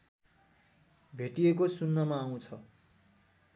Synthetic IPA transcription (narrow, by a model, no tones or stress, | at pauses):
bʱeʈijekosunːʌmaːw̃t͡sʰʌ